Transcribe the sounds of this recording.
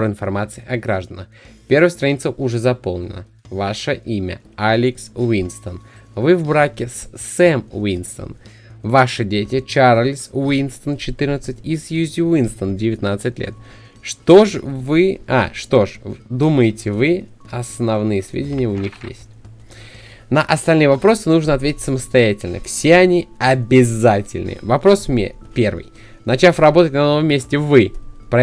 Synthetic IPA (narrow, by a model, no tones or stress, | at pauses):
ɾɪnfɐrmat̪sɨɪʔɐɡɾaʐd̪ənəxpʲe̞rɾvəjst̪ɾɐnʲit̪səʔʊʐɛzɐpo̞lˠnʲɪ̰nə | vaʂəʔimʲə̰ | alʲɪksvinst̪ənvɨvbɾakʲɪssɛmwinst̪ə̰n | vaʂɨdʲetʲɪt͡ɕaɾəlʲswinst̪ənt͡ɕɪt̪ɨɾnət̪sɨtʲisjuzʲʊvinst̪əndʲɪvʲɪt̪nat̪sɨt̚ʲlʲʔḛt̪̚ | ʂt̪oʂvɨa̰ʂt̪o̞ʂd̪uməjɪtʲɪvɨ | ɐsnɐvnɨjəsvʲḛdʲɪnʲɪjəʊnʲixjḛsʲtʲ | nəʔɐst̪ɐlʲnɨjəvɐpɾo̞sɨnuʐnəɐt̪vʲetʲɪ̥tʲsəməst̪ɐjætʲɪlʲnə̰fsʲeɐnʲiɐbʲɪzatʲɪ̰lʲnɨ̰vɐpɾo̞sm̰ʲ | pʲe̞rvɨ̰j | nɐt͡ɕafrɐbo̞t̪ətʲnɐno̞vəmʲːesʲtʲɪvɨpɾɐ